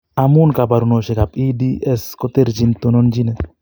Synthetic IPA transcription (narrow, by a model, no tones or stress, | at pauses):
amunkabaɾunoʃeɡapidieskɔt̪eɾd͡ʒint̪unɔnd͡ʒine